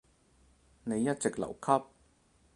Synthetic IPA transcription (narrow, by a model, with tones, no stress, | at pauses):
ne˨˧jːɐ˥t̚t͡sɪ˨k̚lɐ̰˨˩wkʰɐ˥p̚